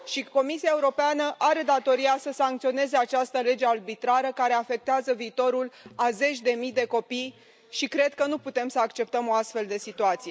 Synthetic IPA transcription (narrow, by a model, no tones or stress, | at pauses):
ʃiko̞misiae̞uɾo̞peanəʔaɾe̞d̪at̪o̞ɾiasəsaŋk̚t̪sio̞ne̞ze̞at͡ʃast̪əle̞d͡ʒearbit̪ɾaɾəkaɾe̞afe̞k̚t̪eazəviːt̪o̞ɾulaze̞t͡ʃʲd̪e̞mijd̪e̞ko̞pij | ʃikɾe̞d̪̚kənuput̪e̞msəakt͡ʃe̞p̚t̪əmo̞ast̪fe̞ld̪e̞sit̪uat̪sije